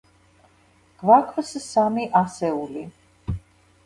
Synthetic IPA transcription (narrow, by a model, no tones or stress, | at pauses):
ɡ̥vakʰvssamiʔasɛuli